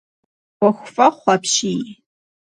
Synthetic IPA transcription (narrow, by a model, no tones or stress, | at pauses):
wɐxʷfʼɐχʷɑpʰʃiː